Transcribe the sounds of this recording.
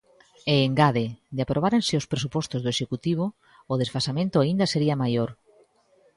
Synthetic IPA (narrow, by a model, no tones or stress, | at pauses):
eːŋɡaðed̪eapɾoβ̞aɾensɪospɾesupɔst̪ʊzðoeʃekut̪iβ̞oː | ðesfasamẽnt̪ʊaind̪ɐseɾiɐmajoɾ